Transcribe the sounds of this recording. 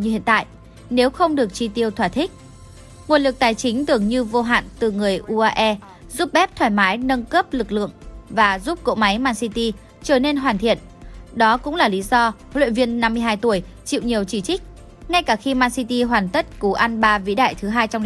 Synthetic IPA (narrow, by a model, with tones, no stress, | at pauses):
ɲɨ˧hḭ˧˨ənt̪a̰ː˧˨jʔ | ne˨˦wxə˧wŋ͡mɗɨ˨˩ək̚t͡ɕi˧t̪i˧əwt̪ʰwaː˧˩t̪ʰï˦˥k̟̚ | ŋu˨˩ənlɨ˨˩k̚t̪aː˨˩jt͡ɕï˨˦ŋ̟t̪ɨ˨˩əŋɲɨ˧vo˧ɦa̰ː˧˨nt̪ɨ˨˩ŋɨ˨˩əjʔu˧ʔaː˧ʔɛ˧ | zu˦˥p̚ɓɛ˦˥p̚t̪ʰwaː˧˩jmaː˨˦jnə˧nkəː˦˥p̚lɨ˨˩k̚lɨ̰˧˨əŋvaː˨˩zu˦˥p̚ko̰˧˥ma˨˦jmaː˧nsi˧t̪i˧ | t͡ɕəː˧˩ne˧nɦwaː˨˩nt̪ʰḭ˧˨ən | ɗɔ˨˦kʊ̰˧˥ŋ͡mlaː˨˩li˨˦zɔ˧wḭ˧˨ənvi˧ənːa˧mː˧əjɦaː˧jt̪u˧˩əjt͡ɕḭ˧˨wɲ˨˩əwt͡ɕi˧˩t͡ɕï˦˥k̟̚ | ŋa˧jkaː˧˩xi˧maː˧nsi˧t̪i˧ɦwaː˨˩nt̪ə˦˥t̚ku˨˦ʔa˧nɓaː˧vḭ˧˥ɗa̰ː˧˨jt̪ʰɨ˨˦ɦaː˧jt͡ɕɔ˧ŋ͡m